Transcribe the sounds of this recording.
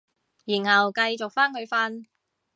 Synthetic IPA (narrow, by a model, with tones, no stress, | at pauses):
jiː˨˩nhɐ˨wkɐ˧jt͡ʃʊ˨k̚faː˥nhɵ˧ɥfaː˥n